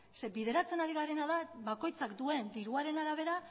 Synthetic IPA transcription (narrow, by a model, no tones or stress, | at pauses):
sebiðe̞ɾat͡se̞naɾiɣaɾe̞naðaβako̞jt͡sakd̪ue̞nd̪iɾuaɾe̞naɾaβ̞e̞ɾa